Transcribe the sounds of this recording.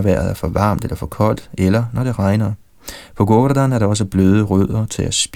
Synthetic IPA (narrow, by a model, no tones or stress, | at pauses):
ʋæɐð̩ˠæɐfɒ̽ʋɑ̰̈ːmd̥elɐfɒ̽kʰɒ̽l̰d̥elɐnɒɾ̥e̝ʁɑ̈ɪnɐ | pʰɒ̽ɡ̥od̥ænæɐɾ̥ɑɒ̽s̬əb̥løːð̞ˠəʁøð̰ˠɐt͡sʰe̝læsb̥